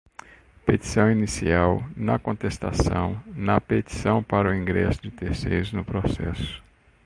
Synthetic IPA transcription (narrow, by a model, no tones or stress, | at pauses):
pet̪i̥sɐ̃w̃inisiawnɐkõt̪est̪a̰sɐ̰̃w̃nɐpet̪i̥sɐ̃w̃paɾʊĩɡɾɛ̰sʊd͡ʒɪt̪eɾsḛjɾʊznʊpɾosɛ̰sʊ̥